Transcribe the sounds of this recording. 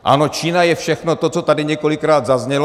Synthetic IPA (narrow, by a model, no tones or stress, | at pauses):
ʔa̰no̞t͡ʃiːnajɛfʃɛxno̞t̪o̞t͡so̞t̪adɪɲɛko̞lɪkɾaːd̪zazɲɛl